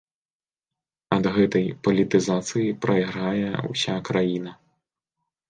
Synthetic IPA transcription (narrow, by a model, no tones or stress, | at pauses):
ɐd̪ɣɛt̪ɐjpɐlʲit̪ɨzat̪sɨjipɾɐjɣɾajɛṵw̰sʲakɾajinɐ